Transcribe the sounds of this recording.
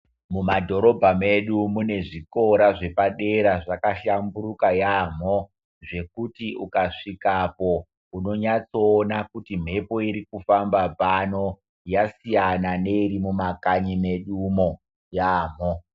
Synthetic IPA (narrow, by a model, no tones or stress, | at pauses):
mumadʱo̞ɾo̞bʱame̞ɗumune̞ʐiko̞ɾaʐe̞paɗe̞ɾaʐakaʃamburukajaːm̤o̞ | ʐe̞kutiukaʂikapo̞ | uno̞ɲat͡soːnakutim̤e̞po̞iɾikufambabano̞ | jasijanane̞iɾimumakaɲime̞ɗumo̞ | jaːm̤o